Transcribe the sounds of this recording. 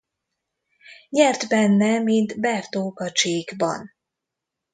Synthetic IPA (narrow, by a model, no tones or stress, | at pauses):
ɲɛrt̪bɛnːɛmint̪bɛrt̪oːkɒt͡ʃeːɡbɒ̰n